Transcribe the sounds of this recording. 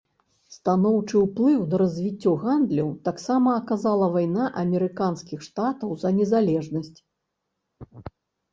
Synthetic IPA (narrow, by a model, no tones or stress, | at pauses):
st̪anɔwt͡ʂɨwplˠɨwnɐɾɐzʲvʲit͡sʲːɔɣand̪lʲɐwt̪aksamɐːkazalˠɐvajnaʔɐmʲɛɾɨkanskʲixʂt̪at̪ɐwzɐnʲɛzalʲɛʐnɐsʲt͡sʲ